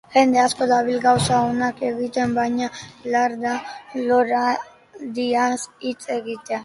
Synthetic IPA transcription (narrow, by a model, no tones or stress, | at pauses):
ʝe̞nd̪e̞asko̞d̪aβilɣawsaonake̞ɣit̪e̞mbajɲalaɾðaloɾa | d̪iasit͡se̞ɣit̪ea